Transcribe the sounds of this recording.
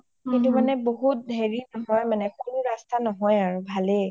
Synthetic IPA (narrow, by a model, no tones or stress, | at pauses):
kintʊmanɛboɦut̚dʱeɹinɔɦɔjmanɛxuluɹastanɔɦɔjaɹubʱale